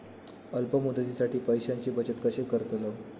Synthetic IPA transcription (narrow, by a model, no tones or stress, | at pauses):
əlpəmud̪ʱəd͡ʑisaʈiːpəjɕaɲt͡ɕebət͡ɕət̪kəɕekəɾət̪lə